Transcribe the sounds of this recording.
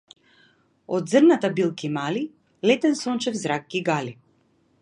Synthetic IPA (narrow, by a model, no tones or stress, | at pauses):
ɔd̪zərnat̪abilˠkimali | lɛt̪ɛnsɔnt͡ʃɛfzɾak̚ːiɡali